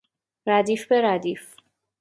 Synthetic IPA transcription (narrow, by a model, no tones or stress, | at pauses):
ɾæd̪iːfbeɾæd̪iːf